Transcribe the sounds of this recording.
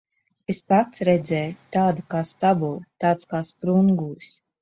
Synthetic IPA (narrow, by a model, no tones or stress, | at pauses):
espat̪sɾɛd̪zɛjt̪aːd̪akaːst̪abulˠt̪aːt̪skaːspɾuŋɡusʲ